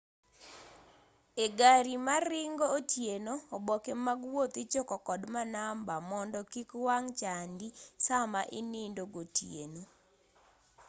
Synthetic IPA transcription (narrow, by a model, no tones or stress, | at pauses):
eɡaɾimaɾɪŋɡoːtjenoːbɔkemaɡwot̪it͡ʃokɔkɔdmanambamɔndɔkikwaŋt͡ʃandisamaʔɪnindoɡotjḛno